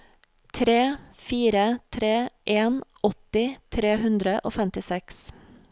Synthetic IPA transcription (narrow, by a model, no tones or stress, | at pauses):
t̪ʰɾeːfiːɾət̪ʰɾeːʔeːnʔɔt̪ɪt̪ʰɾeːhʉnd̪ɾəʔoːfɛmt̪ɪsɛks